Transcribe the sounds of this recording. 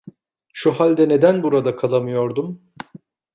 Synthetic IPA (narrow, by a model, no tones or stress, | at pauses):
ʃuɦalʲd̪ɛne̞d̪ænbuɾad̪akʰalˠamɯjo̞ɾd̪um